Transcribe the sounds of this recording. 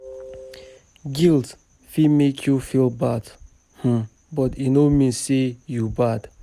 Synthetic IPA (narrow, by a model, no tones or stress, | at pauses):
ɡilˠt | fimekʰjufilbad | h̩ | bɔtinomĩnsejubad̥